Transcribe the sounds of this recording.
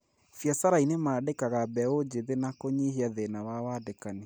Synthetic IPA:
fjasaɾainemaːdekaɣabɛod͡ʒeðenakoɲeɦiaðenawawaːdekane

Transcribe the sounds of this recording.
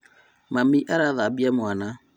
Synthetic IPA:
mamiʔaɾaðabiamwana

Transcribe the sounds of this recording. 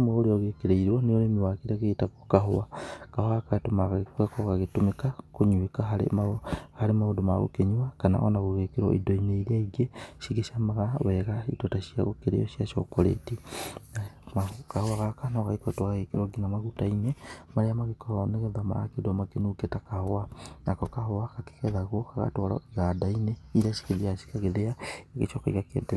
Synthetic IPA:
mwaoɾeɔɣekeɾeiɾwɔneoɾemewakeɾaɣetaɣokaɦoakahoakatomaɣaekuakɔɣaɣetomekakoɲuekaɦaɾḛmahaɾemaodomaɣo̰keɲuwakana̰ʔɔ̰naɣoɣekeɾwɔ̰ʔḭdɔineiɾeaiɡeʃiɣeʃamaɣawɛɣaitɔtasia̰ɣo̰keɾḛjɔʃijaʃɔ̰kɔɾḛtinamakahoaɣakanɔɣaikotoaɣekeɾɔɡinamaɣutainemaɾeamaɣekɔneɣɛðama̰a̰kedɔmakenuketakahoanakɔkahoakake̥kɛðaɣwɔkaɣa̰toɾɔ̰iɣadaineiɾaʃi̥keðiasi̥kaɣeðeaeɣeʃɔkaiɣakḛde

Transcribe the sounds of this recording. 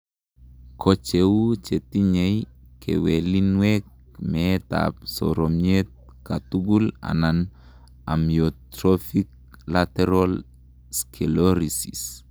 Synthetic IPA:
kʰot͡ʃewut͡ʃetiɲejkʰḛwelinwek | meta̰p̚so̰ɾomet̪̚katuɡula̰nan | a̰mjotɾofik̚ | lateɾol | skʰeloɾisḭs

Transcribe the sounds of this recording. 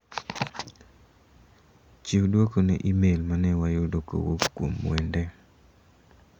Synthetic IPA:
t͡ʃiwdwokonɛ̰ʔimelmanɛwajodoko̰wo̰pkːwomːwɛndɛ

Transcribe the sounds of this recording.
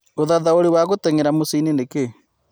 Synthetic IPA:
oðaðaoɾewaɣotɛŋeɾamosinineke

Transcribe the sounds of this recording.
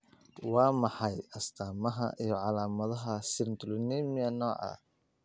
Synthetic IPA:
wɑːmɑħɑjɐst̪ʰaːmɐɦɐ̰ʔijɞʕɑlaːmɐðɐɦɐsɪrnt̪ʰʊlniːmɪjɐnɔːʕɑ̰

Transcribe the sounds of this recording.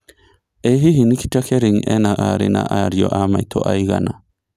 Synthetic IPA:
eɦiɦiniki̥t͡ʃakeɾiŋenaʔaɾḭna̰ʔaɾjoʔamajt̪ʰoʔajɣana

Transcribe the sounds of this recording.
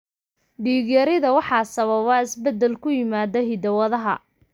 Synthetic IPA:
ɖiːɣjɐɾɪðɐwɑħɑːsɐβɐβɑɪsbɛd̪ːɛlkʰʊjɪmaːd̪ɐɦid̪ɐwɐðɐɦɐ̰

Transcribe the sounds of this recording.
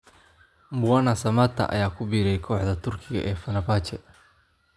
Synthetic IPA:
mbʊɐnɐsɐmɐt̪ʰːɐ̰ʔɐ̰jaːkʰʊbiːɾɛjkʰɔːħðɐt̪ʰʊrkʰɪɣɐ̰ʔɛːfɐnɐbaːt͡ʃɛ

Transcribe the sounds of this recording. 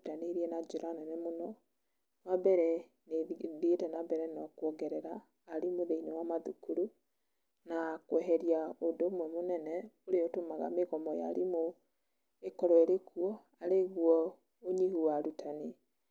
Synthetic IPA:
taneɾiɛnad͡ʒuɾanɛnɛmonɔ | wabɛɾɛ | neðietɛnabɛɾɛnɔkwɔɡɛɾɛɾaː | ɾimoðeinewamaðukuɾu | nakwɛɦɛɾiaodoːmwɛmonɛnɛoɾeɔtomaɣa̰meɣɔmɔja̰ɾimo | ekɔɾɔeɾekuɔ | aɾeɣwɔ | oɲihuwaɾutʰane

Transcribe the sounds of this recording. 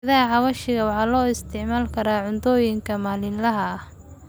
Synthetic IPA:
ðɐɦɐʕɑβɐʃɪɣɐwɑħɑːlɔːɪst̪ʰɪʕmaːlkʰɐɾaːʕʊnt̪ʰɔːjɪŋkʰɐmaːlɪnlɐɦɐh

